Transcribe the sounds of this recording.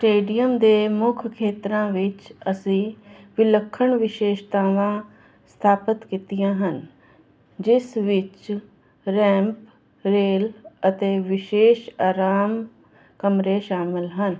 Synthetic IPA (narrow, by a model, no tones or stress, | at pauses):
sʈeːɖijəmd̪eːmʊkʰkʰeːt̪ɾãːʋɪt͡ʃəsĩːʋɪləkʰːəɳʋɪʃeːʃt̪ãːʋãː | st̪ʰaːpət̪kit̪ijãːɦən | d͡ʒɪsʋɪt͡ʃ | ɾɛ̃ːmp | ɾeːlət̪eːʋɪʃeːʃaːɾaːm | kəmɾeʃaːmɪlɦən